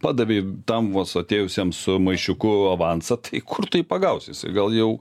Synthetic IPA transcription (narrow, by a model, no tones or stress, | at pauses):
pɑːd̪ɐʋʲeɪt̪ɐmʋɐsɐt̪ʲeːjʊsʲɛmsʊmɐɪʃʲʊkʊɐʋɑnsɐt̪ɐɪkʰʊrt̪ʊiːpɐɡɐʊsʲɪsɪ̰ɡɐlˠjɛʊ